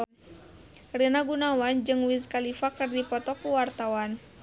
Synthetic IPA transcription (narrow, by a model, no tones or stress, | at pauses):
rinaɡunawand͡ʒɨŋwizkalifakɨrdipɔt̪ɔkuwart̪awan